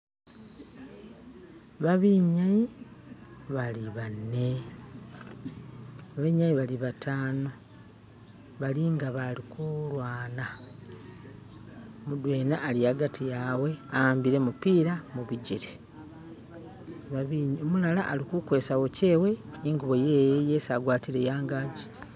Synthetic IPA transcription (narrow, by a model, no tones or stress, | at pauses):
βaβiɲaji | βaliβanːe̞ | βaβiɲajiβaliβataːno | βaliŋɡaβalikulwaːna | mudweːnaʔːliaɡatʰijawe̞aaːmbiɾe̞mupiːɾamuβiɟiɾe | βaβiomulalaʔalikukwe̞ːsawo̞ce̞ːwe̞ | iŋɡuβo̞jejejeːsaɡwaːtiɾe̞jaːŋɡaːɟi̥